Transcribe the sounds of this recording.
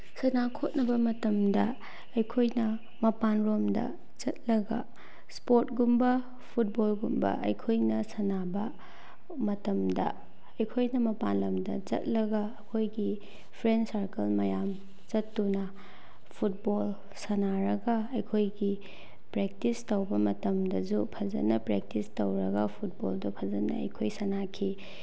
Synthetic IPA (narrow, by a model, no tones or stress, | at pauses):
sɐnakʰot̚nɐbɐmɐtɐmdɐ | ɐjkʰojnɐ | mɐpanɾomdɐ̰ | d͡ʒɐt̚lɐɡɐ̰ | spoɾtɡumbɐ | pʰut̚bolɡumbɐ̰ʔɐ̰jkʰojnɐsɐnabɐ | mɐtɐmdɐ̰ | ɐjkʰojnɐmɐpanlomdɐ̰d͡ʒɐ̰t̚lɐɡɐːkʰojɡi | pʰɾensaɾkɐlmɐjam | t͡ʃɐtːunɐ | pʰut̚bol | sɐnaɾɐɡɐɐjkʰojɡi | pɾek̚tistɐwbɐmɐtɐmdɐd͡ʒupʰɐzɐ̰nɐpɾek̚tistɐwɾɐɡɐpʰut̚bo̰ldɐpʰɐzɐnɐ̰ɐ̰jkʰojsɐnakʰi